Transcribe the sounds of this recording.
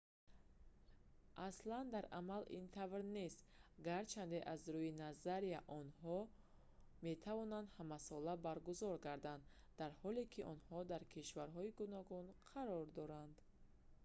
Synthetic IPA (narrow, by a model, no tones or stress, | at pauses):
ʔasland̪aɾʔa̰malʔḭnt̪ʰavɾne̞st̪ɡaɾt͡ʃʰand̪eʔazɾujinazaɾiaʔɔnhɔ | me̞t̪ʰavɔnand̪hamasɔlabaɾɡuzɔɾɡaɾd̪and̪ | d̪aɾhɔlekʰiʔɔ̰nhɔd̪aɾkʰiʃvaɾɦɔiɡunɔɡunqʰaɾɔɾd̪ɔɾand̪